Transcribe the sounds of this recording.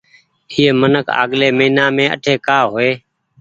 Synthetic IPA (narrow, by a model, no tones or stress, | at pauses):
iːmənəkʰa̰ːɠleːməiːnãːmẽːə̰ʈʰeːkaːɦoːeː